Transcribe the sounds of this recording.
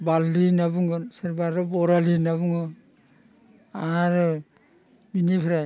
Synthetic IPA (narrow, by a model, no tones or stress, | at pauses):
balːinabuŋɔnseɾbaɾɔbɔɾalinaβuŋɡɔn | aɾɯ | binipʰiɾaj